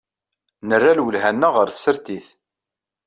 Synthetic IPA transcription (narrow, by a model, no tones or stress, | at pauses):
nərːælwəlɦænːæʁəɾθsːəɾt̪iθ